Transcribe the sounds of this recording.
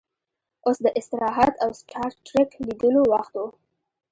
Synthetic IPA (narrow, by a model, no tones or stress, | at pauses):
osd̪əʔɪst̪ɪɾɑɦat̪awsʈʰɑɾʈɾɪkliɡ̪əlowaxt̪wo